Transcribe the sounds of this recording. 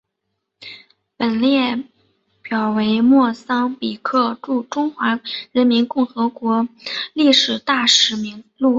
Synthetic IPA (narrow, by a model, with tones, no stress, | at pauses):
pə˨˩nljɛ˥˩ | pjɑ˨˩ʊwe˧˥ɪmwɔ˥˩sɑ˥ŋpi˨˩kʰɤ˥˧ʈ͡ʂu˥˩ʈ͡ʂʊ˥ŋxwa˧˥ɻə˧˥nmi˧˥nkʊ˥˩ŋxɤ˧˥kwɔ˧˥li˥˩ʂɻ̩˨˩t̪a˥˩ʂɻ̩˧˥mi˧˥ŋlu˥˩